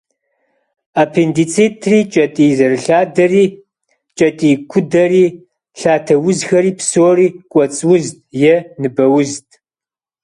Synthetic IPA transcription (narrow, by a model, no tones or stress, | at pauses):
aːpʰendit͡sʰitʰriːt͡ʃʼɐtʼiːzɐrɨɬaːdɐriː | t͡ʃʼɐtʼiːkʷʰʊdɐriː | ɬaːtʰɐwʊzxɐɾiːpsoːriːkʷʼɔt͡sʼwʊztʼjɛnɨbɐwʊztʼ